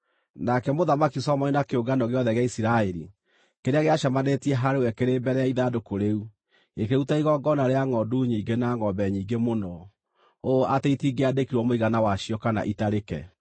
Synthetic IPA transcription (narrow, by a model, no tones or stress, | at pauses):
nakɛmoðamakisɔmɔinakeoɡanɔɣeɔðɛɣeaisiɾaeɾḭ | keɾeaɣeaʃamanetiɛɦaɾewɛkeɾebɛɾɛaiðadokoɾeu | ekeutaiɣɔɡɔnaɾeaŋɔduɲiːɡenaŋɔbɛɲiːŋɡemonɔ | oʔateitiɡeadekiɾwɔmoiɣanawaʃiɔkana̰ʔitaɾekɛ̰